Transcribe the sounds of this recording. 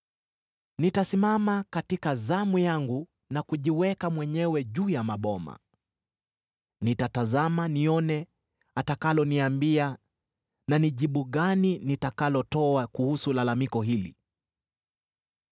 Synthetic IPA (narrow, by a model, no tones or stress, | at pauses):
nitasimamakatikazamujaŋɡu | nakuʄiwɛkamwɛɲɛwɛʄuːjamaɓɔma̰ | nitatazamaniɔnɛ | atakalɔniambia | naniʄiɓuɠaninitakalɔtɔakuhusulalamikɔɦilḭ